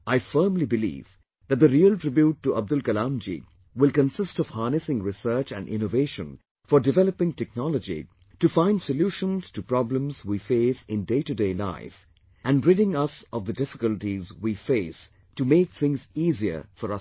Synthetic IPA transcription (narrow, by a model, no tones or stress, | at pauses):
ʔaɪfɜːmlibɨlḭːv | ðæt̚d̪əɾiəltɹ̥ɪbjuʈːuʔʌb̚d̪ʊlkəlãmd͡ʒḭ | wɪlkə̃nsɪstɔv̥hɑːnɨsɪ̃ŋɾɪsɜ˞t͡ʃæ̰̃nʔɪ̰̃noveɪʃə̰̃n | fɔɾdɪvɛləpɪ̃ŋtɛk̚nɔləd͡ʒḭ | tufãɪ̃ndsəljuːʃə̃nz̥tupɾɑblə̃mzwifeɪsɪ̃ndeɪtɨdeɪla̰ɪf | ʔæ̃nɹɪɾɪ̃ŋʌsɔvd̪ədɪfɪ̥kəltizwiːfeɪs | tumeɪk̚θʰɪ̃ŋziːziə̰˞fɔɾʌ